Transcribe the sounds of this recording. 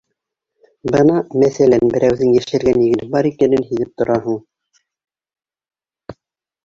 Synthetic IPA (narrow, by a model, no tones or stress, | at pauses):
bɤnɑmæθælænbɘ̆ɾæwðɘnjæʃæ̆ɾɡænjɘ̆ɡɘ̆nbɑɾikænɘnhiðɘp̚t̪ŏɾɑɦɤɴ